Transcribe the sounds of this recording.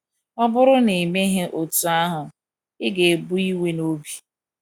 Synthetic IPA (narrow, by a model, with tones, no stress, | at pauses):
ɔ˦bʊ˦ɾʊ˦ne˨me˦ɦe˦ʔo˨tu˨a˦ɦʊ˨ | ɪ˦ɡe˨e˨bu˦i˦we˦no˦bi˨